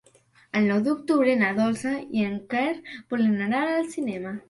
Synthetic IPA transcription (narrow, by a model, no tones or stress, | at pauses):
alnɔwðok̚t̪uβɾenaðolsaieŋkeɾpolenaɾalalsinema